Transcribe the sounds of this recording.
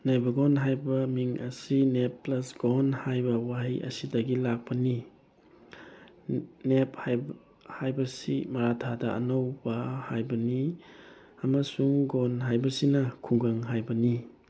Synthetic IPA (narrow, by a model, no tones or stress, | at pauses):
najbɐɡonɦajbɐmiŋʔɐsinep̚pːlɐsɡ̥onhajbɐwaɦiʔɐ̰sidɐɡilak̚pɐni | nephaj | hajbɐsimɐɾatʰadɐɐ̰nowbɐhajbɐni | ɐmɐsuŋɡonɦajbɐsinɐkʰuŋɡaŋɦajbɐni